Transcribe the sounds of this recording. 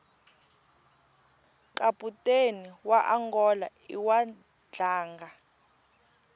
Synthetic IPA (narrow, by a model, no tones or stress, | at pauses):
kʼapʼutʼeniwaʔaŋɡɔla̰ | iwa | d͡ɮaːŋɡa